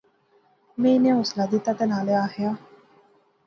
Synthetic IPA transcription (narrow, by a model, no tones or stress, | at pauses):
mẽːɪnẽʊslaːd̪it̪at̪enaːleaːɦjaː